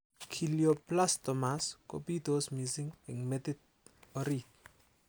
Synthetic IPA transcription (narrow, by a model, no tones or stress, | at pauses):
kʰiljoplastɔmasko̰pitosmisɪŋɪŋmetɪt̚ | ɔɾit̚